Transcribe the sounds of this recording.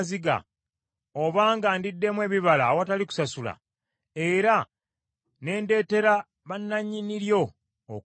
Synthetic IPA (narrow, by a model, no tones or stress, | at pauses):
ziɡa̰ | oβaːŋɡandidːe̞mwe̞ːβiβalawataliku̥sasula̰ | e̞ɾa | ne̞ːnde̞ːte̞ɾa | βanːaɲːiniɾjo̞ː